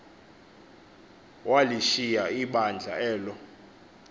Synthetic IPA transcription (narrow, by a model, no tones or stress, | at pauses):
waliʃijaiɓand͡ɮʱa̰ɛːlɔ